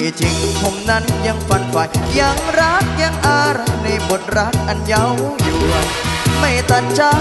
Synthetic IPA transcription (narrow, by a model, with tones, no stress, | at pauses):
t͡ɕʰi˨˧˦ŋkʰo˧˩mna˦˥nja˧ŋfa˧nfa˨˧˩jja˧˩ŋɾa˦˥k̚ja˧ŋʔaː˧ɾa˧˥kna˧jbo˨˩t̪̚ɾa˦˥k̚ʔa˧nja˧˥wja˨˧˩ŋlɔ˧˦j | ma˧˥˩jt̪a˧˩nt͡ɕaː˧˦˥